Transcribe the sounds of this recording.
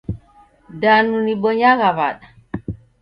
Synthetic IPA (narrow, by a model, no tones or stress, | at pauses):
danunibɔɲaɣaβaɗa